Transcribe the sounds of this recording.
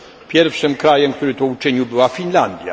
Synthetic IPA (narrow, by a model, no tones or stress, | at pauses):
pʲjɛɾfʂɘmkɾajɛmk̚t̪uɾɘt̪ɔut͡ʂɘɲiwbɘwafʲinland̪ʲja̰